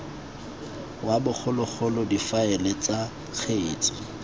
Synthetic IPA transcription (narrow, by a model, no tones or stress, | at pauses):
wabʊk͡xʰʊlʊk͡xʰʊlɔdifaɛlet͡sa | k͡xʰeːt͡sʼɪ̥